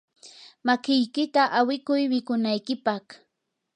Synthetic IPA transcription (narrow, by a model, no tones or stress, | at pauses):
makɪjkɪt̪aʔawɪkʊjmɪkʊnajkɪpɑχ